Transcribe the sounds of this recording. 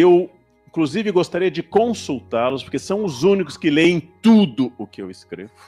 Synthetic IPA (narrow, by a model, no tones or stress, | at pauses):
ew | ĩkluzivɪɡost̪aɾiɐd͡ʒɪkõsuwt̪aɾlʊspoɾkesɐ̃w̃ʊzũnikʊ̥skɪlejẽj̃t̪ud̪ʊʊkɪewɪskɾḛvʊ